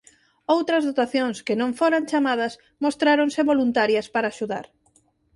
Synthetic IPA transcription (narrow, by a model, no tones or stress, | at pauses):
owt̪ɾɐzðot̪aθjõŋskɪnõɱfoɾaŋt͡ʃamað̞ɐs | most̪ɾaɾõŋsɪβolunt̪aɾjɐspaɾaːʃuða̰ɾ